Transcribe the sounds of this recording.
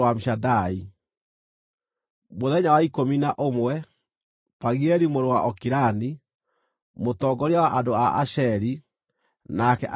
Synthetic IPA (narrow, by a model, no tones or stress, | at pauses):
wamiʃadai | moðɛɲawaikominaʔomwɛ | paɣiɛɾimoɾowaʔɔkiɾani | motɔɡɔɾawaʔadoaʔa̰ɕɛɾi | nakɛʔa